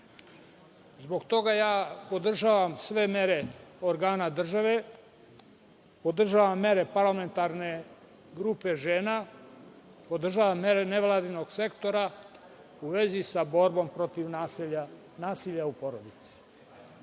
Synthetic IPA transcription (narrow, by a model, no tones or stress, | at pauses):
zbo̞ɡt̪o̞ɡajaːpo̞d̪r̩ʒaːʋamsʋe̞me̞ɾe̞oɾɡaːnad̪r̩ʒaʋe̞ | po̞d̪r̩ʒaːʋamːe̞ɾe̞paɾlame̞nt̪aɾne̞ | ɡɾupe̞ʒeːna | po̞d̪r̩ʒaːʋamːe̞ɾene̞ʋlˠaːd̪ino̞ɡse̞kt̪o̞ɾa | uʋe̞zisabo̞ɾbo̞mpɾo̞t̪iʋ | naːsiʎaupo̞ɾo̞d̪it̪si̥